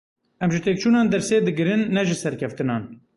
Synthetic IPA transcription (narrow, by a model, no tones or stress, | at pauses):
ʔɛmʒɨt̪eːk̚t͡ʃʰuːnɑːnd̪ɛɾseːd̪ɨɡɨɾɨnːɛʒɨsɛɾkʲʰɛft̪ɨnɑːn